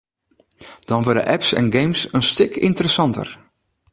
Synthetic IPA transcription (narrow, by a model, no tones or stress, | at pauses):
d̥ɔnʋʊdə̰ʔɛpsɛ̰nɡejmsənstɪkʰɪntəɾəsɑntə̰r